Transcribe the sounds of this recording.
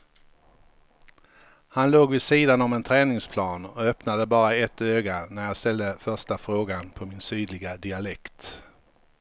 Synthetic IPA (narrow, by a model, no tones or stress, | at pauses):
hanloːɡvɪsiːd̪anɔmɛnt̪ʰɾɛːnɪŋspʰlɑːnɔœpnad̪əbɑːɾaɛt̪ːøːɡanæɾjɑːɡst̪ɛld̪əfœʂʈafɾoːɡanpʰɔmɪnsyːd̪lɪɡad̪ɪalɛkt̪